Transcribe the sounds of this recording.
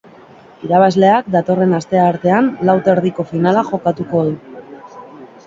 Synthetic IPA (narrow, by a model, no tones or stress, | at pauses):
iɾaβazle̞akd̪at̪o̞re̞nast̪e̞aɾt̪e̞anlawt̪eɾðiko̞finalaxo̞kat̪uko̞ðu